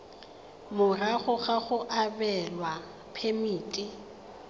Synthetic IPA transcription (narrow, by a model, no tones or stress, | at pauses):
bʊraɣʊχaχʊʔabɛlwa | pʰemiːtʼi